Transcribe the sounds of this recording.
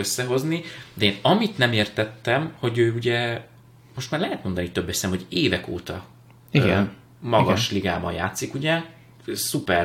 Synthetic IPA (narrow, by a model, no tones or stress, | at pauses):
øsːɛɦo̞znid̪ɛeːnɒmit̪nɛmeːrt̪ɛt̪ːɛmho̞ɟøːuɟɛ | mo̞ʃt̪maːrlɛɦɛt̪mo̞nd̪ɒnit̪øbːɛsɛmho̞ɟeːvɛko̰ːt̪ɒ̰ | iɡɛ | mɒɡɒʃliɡa̰ːbɒ̰nja̰ːt̪sikuɟɛ | supɛr